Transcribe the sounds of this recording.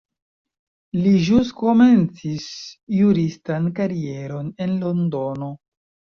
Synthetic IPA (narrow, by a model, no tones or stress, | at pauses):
liʒusko̞me̞nt͡sisjuɾistankaɾie̞ɾo̞ne̞nlo̞ndo̞no̞